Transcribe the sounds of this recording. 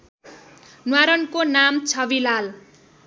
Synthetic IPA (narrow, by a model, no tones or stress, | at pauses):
nwaɾʌnkonamt͡sʰʌbilal